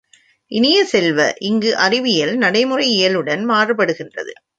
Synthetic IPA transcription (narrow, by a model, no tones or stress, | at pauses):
ʔɪnɪjɐsɛlʋɐ̰ʔɪŋɡɯʔɐrɪʋɪjɐlnɐɽɐɪmɯrɐɪɪjɐlɯɽɐnmaːrɯpːɐɽɯɣɪndrɐ̰ðɯ̰